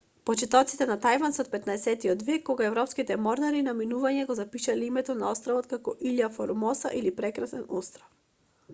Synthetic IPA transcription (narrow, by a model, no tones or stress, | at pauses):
pɔt͡ʃɛt̪ɔt̪sit̪ɛnat̪ajvansɛɔt̪̚pɛt̪naɛsɛt̪iɔd̪vɛkːɔɡaɛvɾɔpskit̪ɛmɔɾnaɾinaminuvaɲɛɡɔzapiʃalɛimɛt̪ɔnaɔst̪ɾavɔt̪kakɔʔiʎafɔɾmɔsa̰ʔilipɾɛkɾasɛnɔst̪ɾaf